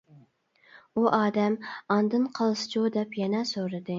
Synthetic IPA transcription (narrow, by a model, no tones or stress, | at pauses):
uʔɑːd̪æmɑnd̪ɨnqʰɑlˠsɨ̥t͡ʃʰod̪ɛpʰjɛnɛsoɾɪd̪ɪ